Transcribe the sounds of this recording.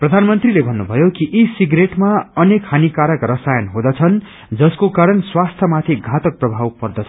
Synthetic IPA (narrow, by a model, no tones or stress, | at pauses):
prʌd̪ʱanmʌnt̪rilebʱʌnːubʱʌjokiʔisiɡreʈmaʌnekʰanikaɾʌkrʌsajʌnɦod̪ʌt͡sʰʌn | d͡zʌskokaɾʌnswast̪ʰjʌmat̪ʰiɡʱat̪ʌk̚prʌbʱawpʌrd̪ʌt͡sʰʌ